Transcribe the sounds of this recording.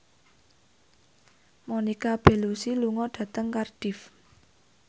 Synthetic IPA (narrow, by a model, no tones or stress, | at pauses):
monikab̥e̤lusiluŋɔɖ̥ä̤t̪əŋkarɖ̥if